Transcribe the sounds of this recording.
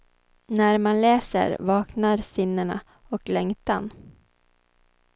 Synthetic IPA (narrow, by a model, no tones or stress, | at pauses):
næɾmanlɛːsə̰ɾvɑːknaɾsɪnːəɳa̰ | ɔklɛŋt̪an